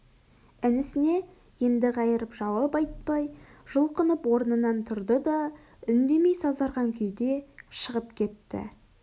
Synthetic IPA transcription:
ænɪsɪne̞ | je̞nd̪ɪʁɑjəɾəpʒɑwɑpɑjt̪̚pɑjʒ̥ʊlˠqənəpwo̞ɾnənɑnt̪ʰʊɾd̪əd̪ɑ | ʏnd̪e̞me̞jsɑzɑɾʁɑŋkʲʰʏjd̪e̞ʃəʁəpkʲʰe̞t̪ːɪ̰

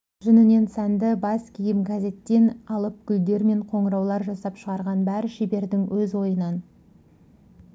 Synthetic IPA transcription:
ʒ̥ʏnɪne̞nsænd̪ɪbɑskʲʰijɪmɡaze̞t̪ːe̞nɑlˠəp̚kʲʰʏld̪e̞ɾme̞ɴqʰo̞ɴəɾɑwlˠɑɾʒɑsɑpʃəʁɑɾʁɑnbæɾɪʃebe̞ɾd̪ɪŋwɵzwo̞jənɑn

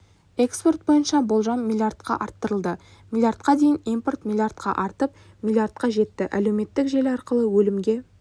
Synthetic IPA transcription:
e̞kspo̞rt̪̚bo̞jənʃɑbo̞lˠʒɑnmʲilʲˠjard̪̚qɑ̰ʔɑɾt̪ːəɾəlˠd̪ə | mʲilʲˠjart̪̚qɑd̪e̞jɪnijmpo̞rt̪mʲilʲˠjart̪̚qʰɑ̰ʔɑɾt̪əp̚ | mʲilʲˠjard̪̚qɑʒe̞t̪ːɪʔæle̞wme̞t̪ːɪkʒe̞lɑɾqəlˠəwɵlɪmɡʲe̞

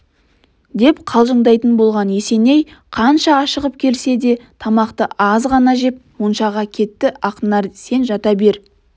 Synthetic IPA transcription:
d̪e̞pqʰɑlˠʒəɴd̪ɑjt̪ənbo̞lˠʁɑnje̞se̞ne̞jqʰɑnʃɑːʃəʁəp̚kʲʰe̞lse̞d̪e̞t̪ʰɑmɑqt̪əʔɑzʁɑnɑʒe̞p̚wonʃɑʁɑkʲʰe̞t̪ːɪɑqənɑɾse̞nʒɑt̪ɑbe̞ɾ

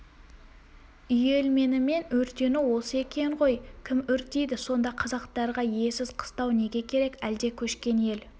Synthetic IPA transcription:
ʏje̞lme̞nɪme̞nɵɾt̪e̞nɪwo̞səe̞kʲe̞ŋʁo̞jkʲʰɪmʏɾt̪ejd̪ɪso̞nd̪ɑqʰɑzɑqt̪ɑɾʁɑje̞sɪz̥qʰə̥st̪ɑwne̞ɡʲe̞kʲʰe̞ɾe̞kæld̪e̞kʲʰɵʃkʲe̞nje̞l

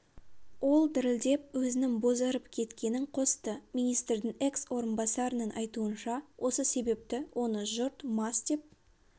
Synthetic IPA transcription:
wo̞lˠd̪ɪɾɪld̪e̞p̚wɵzɪnɪŋbo̞zɑɾəpkʲʰe̞t̪kʲe̞nɪɴqʰo̞st̪əmijnijst̪ɾd̪ɪŋe̞kswo̞ɾənbɑsɑɾənənʔɑjt̪uənʃɑwʔo̞səse̞be̞p̚t̪ɪwʔo̞nəʒʊɾt̪mɑst̪ep̚

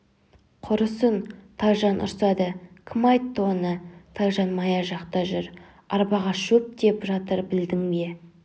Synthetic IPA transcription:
qʰʊɾəsənt̪ʰɑjʒɑnʔʊ̰ɾsɑd̪əkʲʰɪmɑjt̪ʰːonət̪ʰɑjʒɑnmɑjɑʒɑqt̪ɑʒʏɾ | ɑɾbɑʁɑʃɵp̚d̪e̞pʒɑt̪əɾbɪld̪ɪŋbe̞

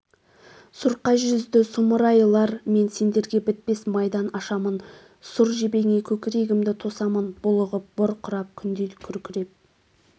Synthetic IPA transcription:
sʊɾqɑʒʏzd̪ɪsʊməɾɑjlˠɑɾme̞nse̞nd̪e̞ɾɡʲe̞bɪt̪̚pe̞smɑjd̪ɑnɑʃɑmən | sʊɾʒebe̞ŋe̞kʲʰɵkʲɪɾe̞ɡʲɪmd̪ɪt̪ʰo̞sɑmənb̥ʊlˠəʁəp̚b̥ʊɾqʰʊɾɑp̚kʲʰʏnd̪elɪkʲʰʏɾkʲɪɾe̞p̚

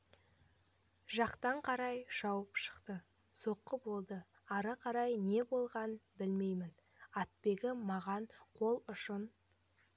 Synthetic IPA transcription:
ʒɑqt̪ɑɴqʰɑɾɑjʒ̥ɑwəpʃə̥qt̪ə | so̞qːəbo̞lˠd̪ə | ɑɾəqʰɑɾɑjne̞bo̞lˠʁɑnəbɪlme̞jmɪn | ɑt̪̚pe̞ɡʲɪmɑʁɑɴqʰo̞lˠʊʃən

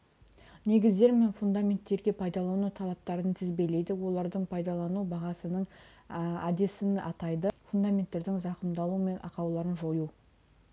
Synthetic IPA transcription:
ne̞ɡʲɪzd̪e̞ɾmenfund̪amʲe̞nt̪ːe̞ɾɡʲe̞pʰɑjd̪ɑlˠɑnut̪ʰɑlˠɑp̚t̪ɑɾənt̪ʰɪzbe̞le̞jd̪ɪwo̞lˠɑɾd̪əɴpʰɑjd̪ɑlˠɑnubɑʁɑsənəɴ | æd̪e̞sɪnɑ̰t̪ɑjd̪əfund̪amʲe̞nt̪ːe̞ɾd̪ɪŋzɑqəmd̪ɑlˠume̞nʔɑ̰qɑwlˠɑɾənʒo̞ju

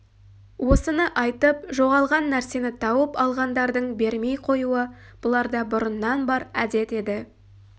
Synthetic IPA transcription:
wʔo̞sənəʔɑjt̪əp̚ʒo̞ʁɑlˠʁɑnːæɾse̞nɪt̪ʰɑwəpɑlˠʁɑnd̪ɑɾd̪əɴbe̞ɾme̞jqʰo̞juə | b̥ʊlˠɑɾd̪ɑbʊɾənːɑnbɑɾæd̪e̞t̪e̞d̪ɪ

